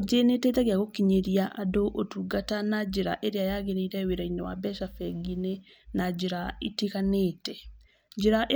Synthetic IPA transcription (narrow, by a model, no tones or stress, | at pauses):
d͡ʒenetetɛaɣeaɣokiɲeɾiaʔadoʔotuɡatanad͡ʑeɾa̰ʔeɾeajaɣeɾeiɾɛweɾainewa̰bɛʃafɛɡine | nad͡ʒeɾaitikaneːtɛ | d͡ʒeɾaʔe